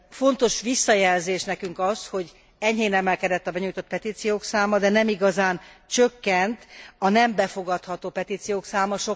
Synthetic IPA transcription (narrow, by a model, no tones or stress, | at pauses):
fo̞nt̪o̞ʃʋisːɒjɛlzeːʃnɛkyŋkɒsho̞ɟ | ɛɲɦeːnɛmɛlkɛd̪ɛt̪ːɒbɛɲujt̪o̞t̪̚pɛt̪iːt̪sijoːksaːmɒd̪ɛnɛmiɡɒzaːnt͡ʃøkːɛnt̪ɒnɛmbɛfo̞ɡɒt̪hɒt̪oːpɛt̪iːt̪sijoːksaːmɒʃo